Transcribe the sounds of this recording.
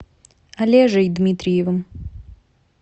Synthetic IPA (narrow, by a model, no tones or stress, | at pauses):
ɐlʲeʐɨjd̪mʲit̪ɾʲɪjɪvəm